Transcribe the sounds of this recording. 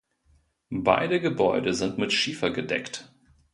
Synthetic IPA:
ba̰ɪdəɡəbɔʏdəzɪntmɪtʃiːfɐɡədɛ̰kt

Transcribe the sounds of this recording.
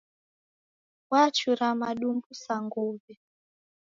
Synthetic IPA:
wat͡ʃuɾamaɗumbusaŋɡuvɛ

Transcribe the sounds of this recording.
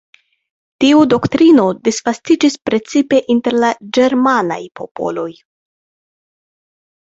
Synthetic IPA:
tiudo̞ktɾino̞disfastid͡ʒispɾe̞t͡sipe̞ʔinte̞ɾlad͡ʒe̞ɾmana̰jpo̞̰po̞̰lo̞j

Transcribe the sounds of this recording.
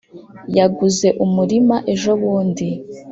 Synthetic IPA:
jaɡuze̞ʔumuɾimaʔe̞ʒo̞βuːndi

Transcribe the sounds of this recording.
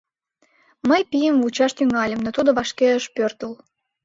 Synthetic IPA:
məjpijəmvut͡ɕɑʃt̪yŋɑlʲə̆mnot̪ud̪oβɑʃkeəʃpørt̪əl

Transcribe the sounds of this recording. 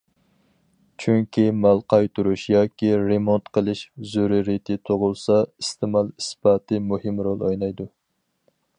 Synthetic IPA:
t͡ʃʰyŋkʲʰimælˠqʰɑjt̪ʰuɾuʃjɑːkʲʰiɾemont̪qʰəlˠɨʃzuɾiɾit̪ʰɪt̪ʰoʁʊlˠsɑist̪ʰɪmɑlˠisbɑːt̪ʰɨmuhɨmɾolˠojnɑjd̪u

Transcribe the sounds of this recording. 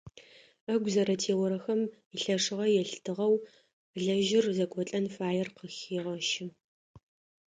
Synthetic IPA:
ɐɡʷzɐɾɐtʰeːwɔɾɐxɐm | iɬɐʂɨʁɐjɛɬtʰɨʁɐw | ɮɐʒɪrzɐkʷʼɔt͡ɬʼɐnfaːjɛrqəxiːʁɐʃɪ

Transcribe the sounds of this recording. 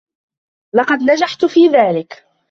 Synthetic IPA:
lɑqɑd̪nad͡ʒaħt̪ʊfiːðaːlɪk

